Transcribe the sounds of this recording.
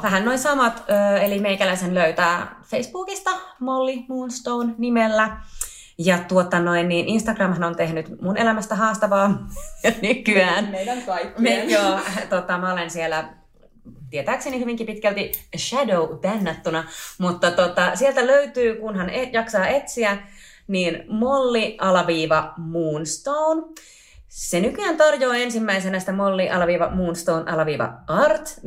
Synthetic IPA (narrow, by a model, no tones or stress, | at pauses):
ʋæɦænːoinsɑmɑt̪øːelimeikælæisenløyt̪æːfeisb̥uːkist̪ɑmolːimuːnst̪ounnimelːæ | jɑt̪uot̪ːɑnoinːiːnʔinst̪ɑɡrɑmhɑnont̪ehnyt̪munʔelæmæst̪æɦɑːst̪ɑʋɑːmɑnykyæːnmeilæŋkɑimejoːt̪ot̪ːɑmæolensielæ | t̪iet̪æːksenihyʋiŋkipit̪kælt̪iʃædoubænːɑt̪ːunɑmut̪ːɑt̪ot̪ɑsielt̪æløyt̪yːkunɦɑnejɑksɑːet̪siæ | niːnmolːiʔɑlɑʋiːʋɑmuːnst̪oːn | senykyæːnt̪ɑrjoːensimːæisenæsi̥t̪æmolːiʔɑlɑʋiːʋɑ̰muːnst̪oːnʔɑlɑʋiːʋɑ̰ɑrt̪